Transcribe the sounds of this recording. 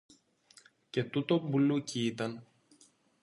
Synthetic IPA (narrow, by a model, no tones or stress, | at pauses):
ce̞t̪ut̪o̞mbuluciit̪ɐn